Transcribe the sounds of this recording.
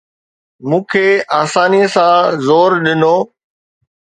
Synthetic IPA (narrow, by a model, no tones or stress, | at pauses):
mũːkʰeːaːsaːniəsãːzoːɾɗɪnoː